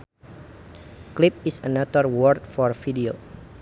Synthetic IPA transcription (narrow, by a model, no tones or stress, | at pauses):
klip̚isənat̪ərwɔrt̪̚fɔrfidio